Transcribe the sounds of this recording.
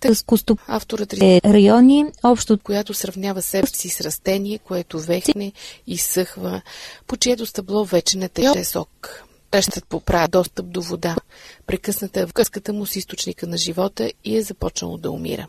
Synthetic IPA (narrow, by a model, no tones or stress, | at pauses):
t̪əskʊst̪oa̰ft̪oɾət̪ɾiɛɾɐjɔniɔpʃt̪oːt̪kojat̪ʊsɾɐvnʲavəsɛɛsisɾɐst̪ɛniɛkoɛt̪ovɛxnɛisɤxvəpot͡ʃiɛt̪ʊst̪ɐblˠɔvɛt͡ʃɛnɐt̪ɛjɔɛsɔ̰k | p̪ɛʃt̪ət̪̚popɾad̪ɔst̪əp̚d̪ovod̪apɾɛkɤsnət̪əɛvɡɤskət̪əmʊsist̪ot͡ʃnikənɐʒivɔt̪əiɛzɐpɔt͡ʃnə̰lˠo̰d̪ɐo̰mḭɾə̰